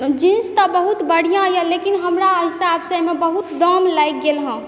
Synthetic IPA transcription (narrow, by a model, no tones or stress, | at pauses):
d͡ʒinst̪ɔbəɦut̪bəɽ̤ijãjəlekinɦəmɾaɦisabsəmebəɦut̪d̪ɔmlajk̚ɡelɦə̃